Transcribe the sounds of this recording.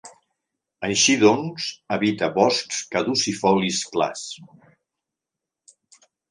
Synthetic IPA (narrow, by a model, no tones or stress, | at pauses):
əjʃiðɔnzəβit̪əβɔskskəðusifɔliskla̰s